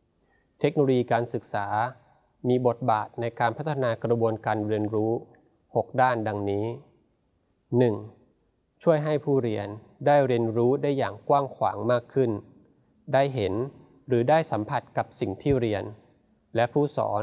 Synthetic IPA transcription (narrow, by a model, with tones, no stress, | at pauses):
t̪ʰe˦˥k̚noː˧lo˧jiː˧kaː˧nsɯ˨˩k̚saː˩˦ | miː˧bo˨˩t̪̚baː˨˩t̪̚na˧jkaː˧npʰa˦˥t̪ʰːa˧naː˧kɾa˧bu˧ənkaː˧nɾi˧ənɾuː˦˥ | ho˨˩k̚daː˥˩nda˧ŋniː˦˥ | nɯ˨˩ŋ | t͡ɕʰu˥˩əjɦa˥˩jpʰuː˥˩ɾi˧ən | daː˥˩jɾi˧ənɾuː˦˥daː˥˩jːaː˨˩ŋkwaː˥˩ŋkʰwa̰ː˩˦ŋmaː˥˩kʰːɯ˥˩n | daː˥˩jɦe˩˦n | ɾɯː˩˦daː˥˩jsa˩˦mpʰa˨˩t̪̚ka˨˩p̚si˨˩ŋt̪ʰiː˥˩ɾi˧ən | lɛ˦˥pʰuː˥˩sɔ̰ː˩˦n